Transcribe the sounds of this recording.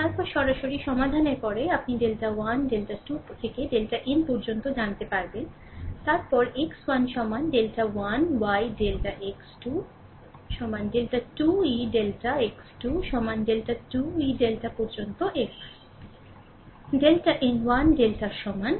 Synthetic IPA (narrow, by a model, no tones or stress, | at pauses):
t̪aɾpɔɾʃɔɾaʃoɾiʃɔmad̪ʱaneɾpɔɾeapniɖelʈawanɖelʈaʈut̪ʰekeɖelʈaʔenpɔɾd͡ʑont̪od͡ʑant̪epaɾben | t̪aɾpɔɾekswanʃɔmanɖelʈawanwajɖelʈaʔeksʈu | ʃɔmanɖelʈaʈuiɖelʈaeksʈuʃɔmanɖelʈaʈuiɖelʈapɔɾd͡ʑont̪oʔeks | ɖelʈaʔenwanɖelʈaɾʃɔman